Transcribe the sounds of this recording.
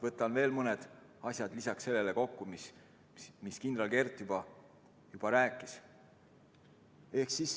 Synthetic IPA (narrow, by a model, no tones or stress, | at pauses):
vɤt̪ˑːɑnve̞ːlmɤned̪̥ | ɑsʲjɑd̪lisɑksse̞lːe̞leko̞kːumis | miskind̪ɾɑlke̞rt̪ːˑjub̥ɑ | jub̥ɑɾæːkˑːis | e̞hksis